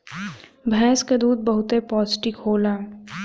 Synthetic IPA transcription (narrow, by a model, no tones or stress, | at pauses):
bʱɛ̃ːskad̪uːd̪̚bɐɦʊt̪epɔːzɪʈɪkɦoːlaː